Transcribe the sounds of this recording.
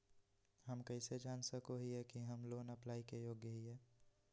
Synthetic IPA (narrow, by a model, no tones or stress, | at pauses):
ɦəmkəɪsed͡ʒaːnsəkoɦiɦɛkiɦəmloːnəplaːikejoːɡjəɦiɦɛː